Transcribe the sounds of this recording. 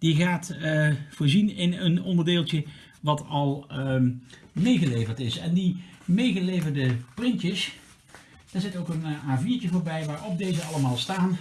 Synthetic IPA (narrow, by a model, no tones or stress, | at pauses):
d̥iɣaːtfʊːɹzinɪnənɔndəɹdeːlˠtə | ʋɑtɑlˠ | mejɣəlejvəɹtɪsɛndimejχəlejvəɹdəprɪntəs | d̥aːɹzɪtowkənaːviːɹcəvoːɹbɛjʋaːɹɔp̚dejzəɑləmaːlˠstaːn